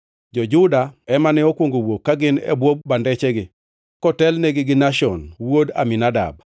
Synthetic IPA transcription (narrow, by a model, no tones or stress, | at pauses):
d͡ʒɔd͡ʒʊdaɛmanɛɔkwoŋɡowokːaɡɪnɛ̰bwob̚ːandɛt͡ʃɛɡɪ | kɔtɛlneɡɪɡɪnaʃɔnwoda̰minada̰b̚